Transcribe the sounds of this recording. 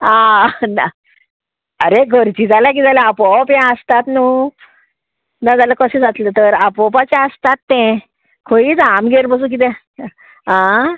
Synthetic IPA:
ana | əɾeɡʱəɾt͡ɕid͡zalak̬id͡zalaapɔpjɛ̃əst̪at̪nu | nad͡zaləkəsĩd͡zat̪lət̪əɾapɔpat͡ɕaəst̪at̪ːɛ̃ | kʰoiːt͡samɡeɾbəs̬ũk̬it̪̬ɛ̃ | ã

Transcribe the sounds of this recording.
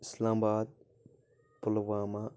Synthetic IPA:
ɪslãːmbaːd̪̚ | pʊlʋaːma

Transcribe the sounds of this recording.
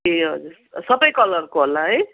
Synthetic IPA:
eɦʌ̰d͡zuɾ | sʌbʌjkʌlʌrkoɦolːaɦʌj

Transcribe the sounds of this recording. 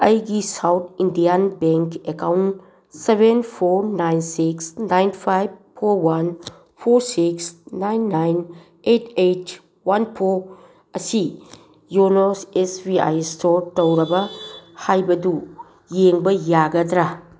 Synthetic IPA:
ɐjɡisawt̪ʰindianbeŋkekawn | sebenpʰoɾnajnsiksnajnpʰajb̚pʰoɾwan | pʰoɾsiksnajnːajn | etʰejt | wanpʰoɾ | ɐsi | jonosesbia̰jstoɾtɐwɾɐbɐhajbɐdu | jeŋbɐjaɡɐdɾa

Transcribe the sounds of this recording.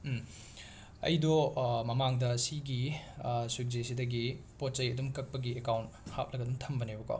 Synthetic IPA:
ɐ̰jdɔmɐmaŋdɐsiɡiswik̚zesidɐɡipot̚t͡ʃɐjɐdumkɐk̚pɐɡiekawntha̰t̚lɐɡɐdumtʰɐmbɐnebɐko̰

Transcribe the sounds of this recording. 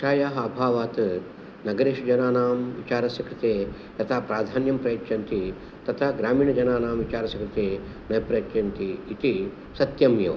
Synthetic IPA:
ʃaːjaːɦɐɐbʱaːʋaːt̪ | nɐɡɐɾeːʃd͡ʒɐnaːnaːmʋit͡ʃaːɾɐsɐkɾɨt̪eː | t̪ɐt̪ʰapɾaːd̪ʱaːnjɐmpɾɐjɐt̪jɐnt̪i | t̪ɐt̪ʰaɡɾaːmiːɳɐd͡ʒɐnaːnaːmʋit͡ʃaːɾɐsɐkɾɨt̪eː | nɐjpɾɐjɐtjɐnt̪iːt̪i | sɐt̪jɐmjo̰ː

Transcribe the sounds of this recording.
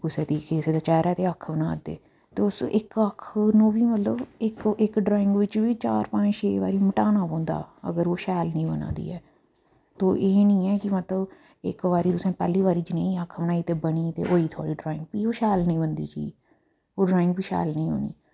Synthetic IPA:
ʊsẽːd̪iːkʰeːseːd̪aːt͡ʃɛːɾɛːt̪eːəkʰbənaːd̪ḛː | t̪eːʊsɪkəkʰnõːʋiːmət̪ləbɪkɪkɖɾaːɪ̃ŋɡʋɪt͡ʃʋiːt͡ʃaːɾpə̃ɲd͡ʒt͡ʃʰeːʋa̰ːɾiːməʈaːnaːpõːnd̪a̰ːə̰ɡəɾoːʃɛːlnĩːbənã̰ːd̪ḭːɛː | t̪oːʔeːnĩːɛːkɪmət̪ləb | ɪkʋaːɾiːt̪ʊsẽːpɛːliːʋaːɾiːd͡ʒɪnẽĩːəkʰːbənaːiːt̪eːbəɳiːt̪ḛːʔoːiːt̪ʰo̰ːɽiːɖɾaːɪ̃ŋɡ̚piːoːʃɛːlnəĩːbənd̪ḭːt͡ʃiiː | oːɖɾaːɪ̃ŋɡpiːʃɛ̰ːlnĩːɦo̰ːnḭː

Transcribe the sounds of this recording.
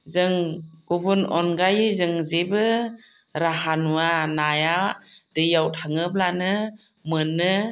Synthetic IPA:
zɯŋɡubunɔnɡajzɯŋzebɯ | ɾaɦanuanajadɯjawtʰaŋɯb̚lanɯ | mɯnːɯ

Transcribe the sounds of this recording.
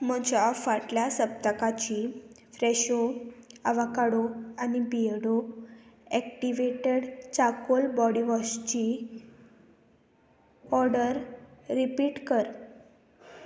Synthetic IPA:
məd͡ʑafaʈljasəp̚t̪əkat͡ɕi | fɾɛɕoaʋakaɽoanibiɽo | ɛkʈiʋeʈeɽt͡sakolbɔɽiʋɔst͡ɕi | ɔɾɽəɾːipiːʈkəɾ

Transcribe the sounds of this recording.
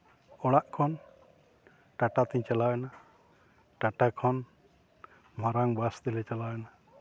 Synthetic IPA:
ɔɽaʔkʰɔn | ʈaʈat̪ɛɲt͡ʃalawɛna | ʈaʈakʰɔn | maɾaŋbasd̪ɛlɛt͡ʃalawɛna

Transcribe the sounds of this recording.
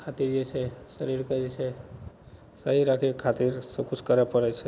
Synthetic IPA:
kʰat̪iɾd͡ʒet͡ʃʰesəɾiɾkəd͡ʒet͡ʃʰe | səɦiɾakʰekʰat̪iɾsəb̚kʰut͡ʃʰkəɾapəɾɛt͡ʃʰe

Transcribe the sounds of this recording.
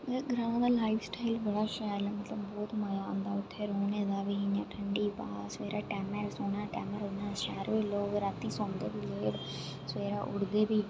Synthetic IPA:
eɡəɾãːãːd̪aːlaːɪfsʈaːɪlbəɽaːʃaːlɛmət̪ləbːɔːt̪məjaːnd̪aːʊt̪ʰːeːɾoːneːd̪aːbiːɦɪɲãːʈʰəɳɖiːpa̰ːsʋeːɾaːʈɛːməɾsoːnaːʈɛ̰ːməɾoãːʃɛːɾʋeːloːkɾaːt̪iːsõːnd̪eːbiːd͡ʒeːɽ | sʋeːɾaːʔʊɽd̪eːbiː

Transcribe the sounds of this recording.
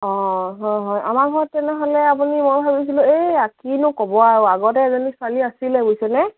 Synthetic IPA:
ɔ̃ɦɔjɦɔjʔa̰maɡʱɔɹɔtːɛnɛɦɔlɛap̬unimojbʱabis̬ilʊ̃eakinʊkɔbɔaɹoaɡɔtɛɛzɔniswaliasilɛbojsɛnɛ

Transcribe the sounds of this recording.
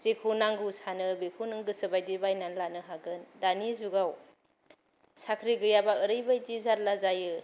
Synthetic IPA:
zikʰɯwnaŋɡɯsanɯbikʰunɯŋɡɯsɯbajdibajnanlanɯɦaɡɯndanizuɡaw | sakʰɾiɡɯjabaɯɾɯjbajdizaɾlazajɯ

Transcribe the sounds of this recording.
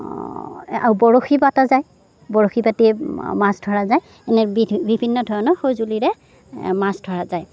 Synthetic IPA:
a̰ɹubɔɹoxibatazaj | bɔɹoxibatimasdʱɔɹazaj | ɛnɛbibʱinːɔdʱɔɹɔnɔxojzuliɹɛ | masdʱɔɹazaj

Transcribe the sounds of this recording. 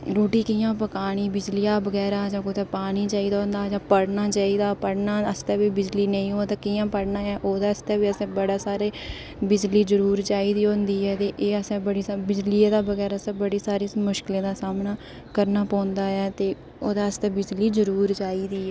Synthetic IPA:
ɾoːʈiːkɪjãːpəkaːɽ̃iːbɪd͡ʒlɪjaːbəɡɛːɾaːd͡ʒãːkʊt̪ɛːpaːɽ̃iːt͡ʃaːiːd̪aːɦõːnd̪aːd͡ʒãːpəɽnaːt͡ʃaːiːd̪aːpəɽnaːəst̪ɛːbiːbɪd͡ʒliːnə̃ĩːɦoːt̪aːkijãːpəɽnaːɛːʔoːd̪aːəst̪ɛːʋiːəsɛ̃ːbəɽaːsaːɾeː | bɪd͡ʒliːzəɾuːɾt͡ʃaːiːd̪iːõːnd̪iːɦɛːt̪eːʔeːəsɛ̃ːbəɽiːsabɪd͡ʒlieːd̪aːbəɡɛːɾaːsɛ̃ːbəɽiːsaːɾiːmʊʃkɪlẽːd̪aːsaːmnaː | kəɾnaːpɔ̃ːnd̪aːɛːt̪eː | oːd̪aːəst̪ɛːbɪd͡ʒliːd͡ʒəɾuːɾt͡ʃaːiːd̪iːɛː

